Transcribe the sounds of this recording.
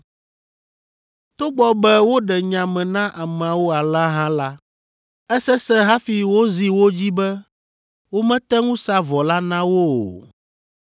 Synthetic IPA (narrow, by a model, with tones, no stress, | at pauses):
t̪o˦ɡ͡bɔ˦bɛ˦wo˦ɖɛ˨ɲã˨mɛ̃˨nã˦ʔa˨mɛ̃˨a˨wo˦a˨lã˦ɦã˦la˦ | ɛ˦sɛ˦sɛ̃˦ɦã˦fi˨wo˦zi˨wo˦d͡ʑi˦bɛ˦ | wo˦mɛ̃˦t̪ɛ˦ŋũ˦sa˦vɔ˨la˦nã˦wo˦o̰˨